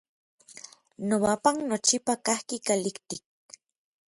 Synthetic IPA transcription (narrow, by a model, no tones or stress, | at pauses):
nowapaŋnot͡ʃipakahkikalikt̪ik̚